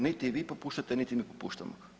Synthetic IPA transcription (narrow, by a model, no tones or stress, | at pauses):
nit̪iʋipopuːʃt̪at̪ɛnit̪imipopṵːʃt̪a̰mo